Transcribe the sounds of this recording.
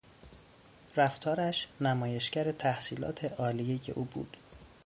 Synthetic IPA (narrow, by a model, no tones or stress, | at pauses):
ræft̪ʰɒːɾæʃnæmɒːje̞ʃcæɾet̪ʰæhsiːlɒ̰ːt̪ʰe̞ʔɒːlijeje̞̰ʔuːbṵːd̪̥